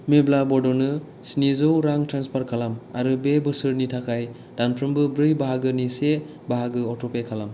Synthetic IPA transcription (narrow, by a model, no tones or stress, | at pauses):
meblabɔdɔnɯ | snizɯwɾaŋtʰɾanspaɾkʰalama̰ɾɯbebɯsɯɾnitʰakʰaj | danpʰɾɯmbɯbɾɯjbaɦaɡɯnise | baɦaɡɯɔtʰɔpekʰalam